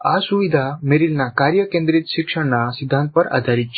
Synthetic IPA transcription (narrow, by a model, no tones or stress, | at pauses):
asuʋid̪ʱameɾilnakaɾjəkẽnd̪ɾit̪ʃikʂəɽnasid̪ʱːãnt̪̚pəɾa̰d̪ʱaɾit̪̚t͡ɕʰ